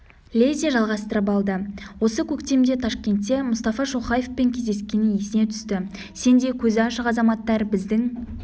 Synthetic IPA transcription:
lʲezʲijaʒɑlˠʁɑst̪əɾəp̬ɑlˠd̪əwo̞səkʲʰɵkt̪e̞md̪e̞t̪ʰɑʃkʲe̞nt̪ːe̞mʊst̪ɑfɑʃo̞χɑje̞fpe̞ŋkʲʰe̞zd̪e̞skʲe̞nɪŋje̞sɪne̞t̪ʰʏ̥st̪ɪ | se̞nd̪e̞kʲʰɵzɪɑʃəqɑzɑmɑt̪ːɑɾbɪzd̪ɪŋ

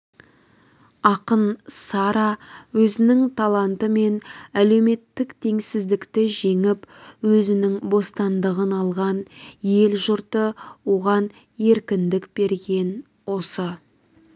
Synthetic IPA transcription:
ɑqənsɑɾɑwɵzɪnɪŋt̪ʰɑlˠɑnt̪əme̞næle̞wme̞t̪ːɪkt̪ʰe̞ŋsɪzd̪ɪkt̪ɪʒe̞ŋɪpwɵzɪnɪŋbo̞st̪ɑnd̪əʁənɑlˠʁɑnje̞lʒʊɾt̪əwo̞ʁɑn | e̞ɾkʲɪnd̪ɪkb̥e̞ɾɡʲe̞n | wo̞sə

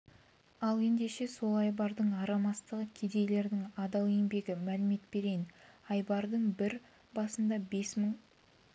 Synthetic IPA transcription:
ɑlˠe̞nd̪e̞ʃe̞so̞lˠɑjbɑɾd̪əɴɑɾɑmɑst̪əʁəkʲʰed̪e̞jle̞ɾd̪ɪŋɑd̪ɑwembe̞ɡʲɪmælɪme̞t̪b̥e̞ɾe̞jnɑjbɑɾd̪əɴbɪɾ | bɑsənd̪ɑbe̞sməɴ

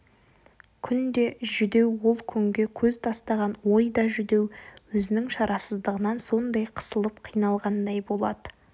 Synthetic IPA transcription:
kʲʰʏnd̪e̞ʒʏd̪e̞wwo̞lˠkʲʰʏŋɡʲe̞kʲʰɵzt̪ʰɑst̪ɑʁɑnwo̞jd̪ɑʒʏd̪e̞wwɵzɪnɪŋʃɑɾʔɑsəzd̪əʁənɑnso̞nd̪ɑjqʰə̥səlˠəp̚qʰijnɑlˠʁɑnd̪ɑjbo̞lˠɑd̪ə

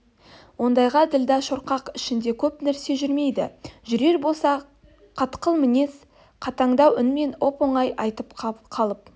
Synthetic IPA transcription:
wo̞nd̪ɑjʁɑd̪ɪld̪ɑʃo̞ɾqɑqɪʃɪnd̪e̞kʲʰɵpnæɾse̞ʒʏɾme̞jd̪ɪ̰ʒʏɾe̞ɾbo̞lˠsɑ | qʰɑt̪qəlˠmɪne̞s | qʰɑt̪ɑɴd̪ɑwʏnme̞no̞po̞ɴɑjʔɑjt̪əpqɑqʰɑlˠəp̚

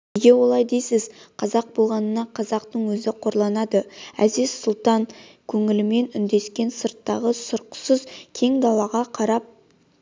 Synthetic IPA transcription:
eɡʲe̞wo̞lˠɑjd̪ejsɪz̥qʰɑzɑq̚bo̞lˠʁɑnənɑqʰɑzɑqt̪əɴwɵzɪqʰo̞ɾlˠɑnɑd̪əæzɪz̥sʊlˠt̪ɑŋkʲʰɵŋɪlɪme̞nʏnd̪e̞skʲe̞nsəɾt̪ːɑʁəsʊɾqə̥səzkʲʰe̞ŋd̪ɑlˠɑʁɑqʰɑɾɑp̚

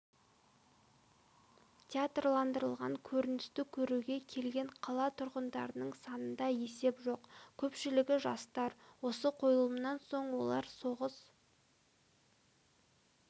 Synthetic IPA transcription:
t̪ʲʰeat̪rlˠɑnd̪əɾəlˠʁɑ̰ŋkʲʰɵɾɪnɪst̪ɪkʲʰɵɾuɡʲe̞kʲʰe̞lɡʲe̞ɴqʰɑlˠɑt̪ʰʊɾʁənd̪ɑɾənəɴsɑnənd̪ɑje̞se̞pʒo̞qkʲʰɵpʃɪlɪɡʲɪʒɑst̪ɑɾwo̞səqʰo̞jəlˠəmnɑnso̞ɴwo̞̰lˠɑɾso̞ʁəs

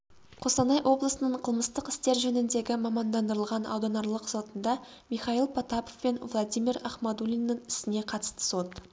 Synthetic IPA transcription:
qʰo̞sɑnɑjwʔo̞blˠəsənəɴqʰəlˠməst̪əqɪ̥st̪e̞ɾʒɵnɪnd̪e̞ɡʲɪmɑmɑnd̪ɑnd̪əɾəlˠʁɑnʔɑ̰wd̪ɑnɑɾlˠəqso̞t̪ənd̪ɑ | mijχɑilˠpʰɑt̪apofpe̞nvlˠad̪ijmʲiɾɑχmɑd̪ulʲinːəɴɪ̥sɪne̞qʰɑt̪əst̪ə̥so̞t̪

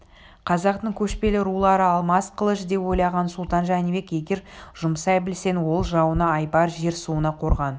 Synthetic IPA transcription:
qʰɑzɑqt̪əɴkʲʰɵʃpe̞lɪɾulˠɑɾəɑlˠmɑsqʰəlˠəʃd̪e̞po̞jlˠɑʁɑnsʊlˠt̪ɑnʒɑænibe̞kje̞ɡʲe̞ɾʒ̥ʊmsɑjbɪlse̞nwo̞lˠʒɑwənɑːjbɑɾʒe̞ɾsuənɑqʰo̞ɾʁɑn

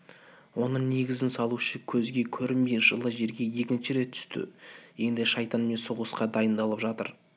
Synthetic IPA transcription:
wo̞nəɴne̞ɡʲɪzɪnsɑlˠuʃəkʲʰɵzɡʲe̞kʲʰɵɾɪmmejʒəlˠəʒe̞ɾɡʲe̞je̞kʲɪnʃɪɾe̞t̪̚ːʰʏ̥st̪ɪ̰je̞nd̪ɪʃɑjt̪ɑnme̞nsoʁəsqɑd̪ɑjənd̪ɑlˠəpʒɑt̪ə̰ɾ

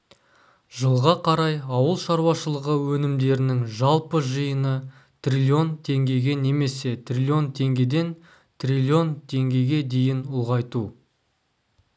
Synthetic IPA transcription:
ʒəlˠʁɑqʰɑɾɑjɑwəlˠʃɑɾwɑʃəlˠəʁəwɵnɪmd̪e̞ɾɪnɪŋʒɑlˠpəʒəjənə | t̪rʲilʲio̞nt̪ʰe̞ŋɡʲe̞ɡʲe̞ne̞me̞se̞t̪ʰrʲilʲio̞nt̪ʰe̞ŋɡʲe̞d̪e̞n | t̪ʰrʲilʲio̞nt̪ʰe̞ŋɡʲe̞ɡʲe̞d̪e̞jɪnʊlˠʁɑjt̪u

